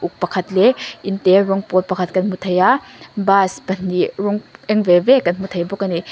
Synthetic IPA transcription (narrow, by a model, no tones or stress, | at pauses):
uk̚pɐkʰɐtleinteɾɔŋpɔt̚pɐkʰɐt̚kɐnmutʰɐjabaspɐniɾɔŋeŋbebekɐnmutʰɐjbɔkɐni